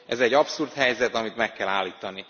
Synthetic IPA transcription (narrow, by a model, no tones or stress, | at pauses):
ʔɛzɛɟːɒpsurt̪hɛjzɛt̪ɒmit̪mɛkːɛlaːlːiːt̪ɒni